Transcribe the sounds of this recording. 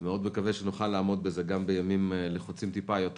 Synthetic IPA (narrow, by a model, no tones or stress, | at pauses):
meo̞d̪mekaveʃenuχalːaːmo̞d̪̚bezeɡambejamimleχot͡simt̪ipajot̪